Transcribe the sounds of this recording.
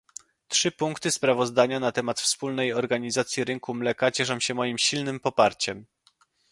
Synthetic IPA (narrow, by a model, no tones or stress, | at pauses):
tʂɘpuŋkt̪ɘspɾavɔzd̪aɲanat̪ɛmat̪fspulnɛjɔɾɡaɲizat̪sʲjiɾɘŋkumlɛkat͡ɕɛʂ̬amɕɛmɔjimɕilnɘmpɔpaɾt͡ɕɛm